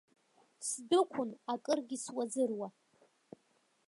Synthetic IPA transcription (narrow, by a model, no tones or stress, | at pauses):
sdɨkʷʰʊnakʼɨrɡʲiswazɨrwa